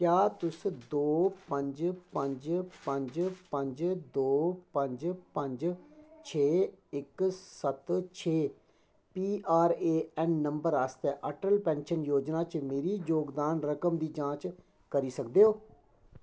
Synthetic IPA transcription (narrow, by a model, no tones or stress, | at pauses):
kjaːt̪ʊsd̪oːpəɲd͡ʒpə̃ɲd͡ʒpə̃ɲd͡ʒpə̃ɲd͡ʒd̪oːpə̃ɲd͡ʒpəɲd͡ʒt͡ʃʰeːɪksət̪t͡ʃʰeː | piːʔaːɾeːɛːnːəmbəɾaːst̪ɛːʔəʈəlpɛ̃ːnʃənjoːd͡ʒnaːt͡ʃmeːɾiːd͡ʒoːɡd̪aːnɾəkəmd̪iːd͡ʒãːt͡ʃ | kəɾiːsək̚d̪eːɦoː